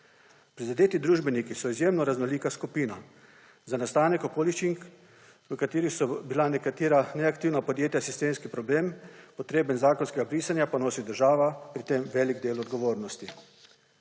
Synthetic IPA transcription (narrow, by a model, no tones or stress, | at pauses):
pɾizad̪eːt̪id̪ɾuːʒbɛnikisɔizjeːmnɔɾaznɔliːkaskupiːna | zanast̪aːnɛkokoːlit͡ʃiŋk | ʋəkat̪iːɾixsɔbilanɛkat̪iːɾanɛakt̪iːwnapɔd̪jeːt̪jasist̪eːnskipɾɔbleːmpɔt̪ɾeːbənzaːkɔnskɛɡabɾiːsanjapanoːsid̪əɾʒaːʋapɾit̪emʋɛːliɡd̪eːlɔd̪ɡɔʋoːɾnɔst̪i